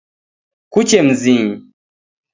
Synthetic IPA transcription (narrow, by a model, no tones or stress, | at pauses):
kut͡ʃem̩zĩ